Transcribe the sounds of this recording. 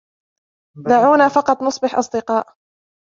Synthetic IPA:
d̪aʕuːnaːfɑqɑt̪ˤnʊsˤbɪħʔɑ̰sˤd̪ɪqɑːʔ

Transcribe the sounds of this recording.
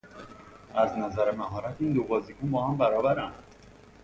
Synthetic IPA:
ʔæznæzæɾemæɦɒːɾæt̪ʰiːnd̪obɒːzikunbɒːhæmbæɾɒːbæɾænd̪̥

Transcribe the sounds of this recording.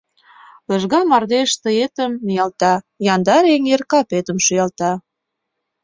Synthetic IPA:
lə̆ʒɣɑmɑrd̪eʃt̪əet̪əmnijɑlt̪ɑ | jɑnd̪ɑɾeŋerkɑpet̪əmʃujɑlt̪ɑ

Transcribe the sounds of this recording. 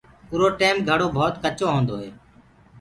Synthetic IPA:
ʊɾoːʈeːmɡʱəɽoːbʱoːt̪kət͡ʃõːɦõːnd̪oːɦeː

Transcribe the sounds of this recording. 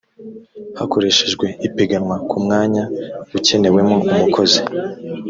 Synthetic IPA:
hako̞ɾe̞ʃeʒɡwe̞ipeɡanwakumŋaːɲauce̞ne̞we̞mo̞umukʰo̞zi̥

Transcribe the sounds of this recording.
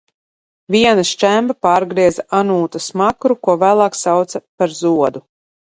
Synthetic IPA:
viɛnaʃt͡ʃæmbapaːɾɡɾiɛzaʔanuːt̪asmakɾukuɔvæːlˠaːksawt̪sɐpaɾzuɔd̪u

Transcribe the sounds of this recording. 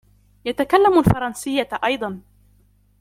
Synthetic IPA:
jat̪akalːamalfɑɾˤɑnsɪjːaʔɑjd̪ˤɑn

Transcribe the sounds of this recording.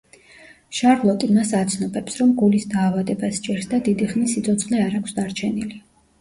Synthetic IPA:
ʃaɾlˠɔt̪ʼimasat̪sʰnɔbɛpsɾɔmɡulisd̪aːvad̪ɛbasd͡ʒɛɾsd̪ad̪id̪iχnisit̪sʰɔt̪sʰχlɛaɾakʷʰsd̪aɾt͡ʃʰɛnili

